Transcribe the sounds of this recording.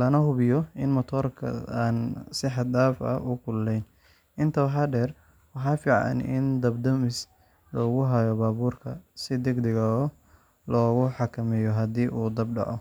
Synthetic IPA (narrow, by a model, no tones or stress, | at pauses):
lɐnɐhʊβɪjɔɪnmɐt̪ʰɔːrkʰɐ̰aːnsɪħɑd̪aːfɐ̰ʊkʰʊlːɛjn | ɪnt̪ʰɐwħɑɖɛːr | wɑħɑːfiːʕɑ̰nɪ̰nd̪ɐbd̪ɐmɪs | lɔːɣʊɦɐjɔbaːβuːrkʰɐsɪd̪ɛɡd̪ɪɣɐɔ | lɔːɣʊħɑkʰɐmɛjɔɦɐd̪iːʔuːd̪ɐbɖɑ̰ʕɔ̰